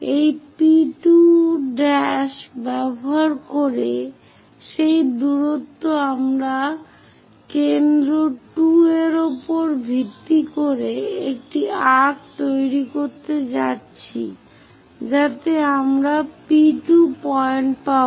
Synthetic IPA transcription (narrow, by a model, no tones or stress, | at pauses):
ejpiʈuɖɛʃbɛboɦaɾkoɾe | ʃejd̪uɾot̪ːoamɾa | kend̪ɾoʈueɾopoɾbʱit̪ːikoɾeek̚ʈiaʈ̚t̪ojɾikoɾt̪ed͡ʑatːɕʰḭ | d͡ʑat̪eamɾapiʈupɔeɳʈpa